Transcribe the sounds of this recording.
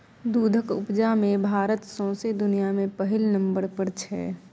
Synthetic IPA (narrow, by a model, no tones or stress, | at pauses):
d̪uːd̪ʱəkʊ̰pd͡ʒamẽbʱaːɾət̪sɔ̃ːsed̪ʊnijamẽpəɦɪlnə̃mbəɾpəɾt͡ʃʰɛː